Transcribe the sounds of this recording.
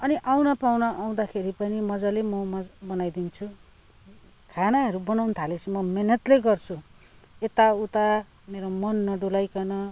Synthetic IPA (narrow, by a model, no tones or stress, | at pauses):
ʌniʔaw̃nʌpawnʌaw̃d̪akʰeɾipʌnimʌd͡zalemʌmʌbʌnajd̪int͡sʰu | kʰanaɦʌɾubʌnawnt̪ʰalet͡sʰumʌmenʌt̪leɡʌrt͡sʰu | et̪aut̪a | meɾomʌnːʌɖulajkʌnʌ